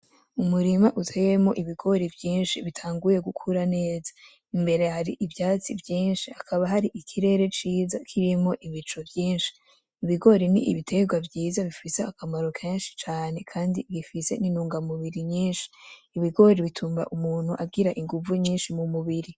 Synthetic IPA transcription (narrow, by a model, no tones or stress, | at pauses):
umuɾimaʔutʰejemo̞ʔiβiɡo̞ɾibjiːnʃiβitʰaːŋɡuje̞ɡukʰuɾane̞ːza | imbe̞ɾe̞haɾiʔivjaːt͡sivjiːnʃiakʰaβaɦaɾiʔikʰiɾe̞ːɾe̞t͡ʃiːzakʰiɾimo̞ʔiβit͡ʃo̞bjiːnʃi̥ː | βiɡo̞ɾinḭʔḭβitʰe̞ɡwabjiːzaβifiseakʰamaɾo̞kʰe̞ːnʃi̥t͡ʃaːne̞kʰaːndiβifise̞ninuːŋɡamuβiɾiɲiːnʃi̥ːβiɡo̞ɾiβitʰuːmba̰ʔumuːn̥huʔabɡiɾaʔiŋɡuvuɲiːnʃimumuβiɾi